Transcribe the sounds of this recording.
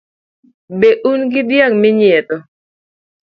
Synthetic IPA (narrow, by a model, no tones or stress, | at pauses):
beʔunɡɪdjaŋmɪɲɪɛt̪ɔ